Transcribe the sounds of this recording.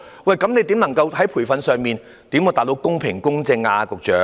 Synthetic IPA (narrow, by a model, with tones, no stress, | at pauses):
wɐ˨jkɐ˨˥mne˨˧jt̪iː˨˥mnɐ˨˩ŋkɐ˧whɐ˨˥jpʰuː˨˩jfɐ˨˧nsœː˨˧ŋmiː˨n | t̪iː˨˥mɔː˨˧t̪aː˨t̚lo˧wkʊ˥ŋpʰɪ˨˩ŋkʊ˥ŋt͡sɪ˧ŋaː˧kʊ˨k̚t͡ʃœː˨˥